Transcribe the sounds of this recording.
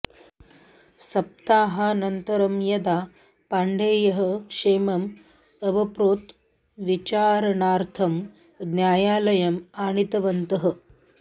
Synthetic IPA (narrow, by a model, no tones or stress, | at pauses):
sɐp̚t̪aːɦɐnɐnt̪ɐɾɐmjɐd̪aː | paɳɖeːjɐɦəkʂeːmɐm | ɐbɐpɾoːt̪ | ʋit͡ʃaːɾɐnaːɾt̪ʰɐm | d̪njaːjaːlɐjɐmaːɳit̪ɐʋɐnt̪ɐɦə̆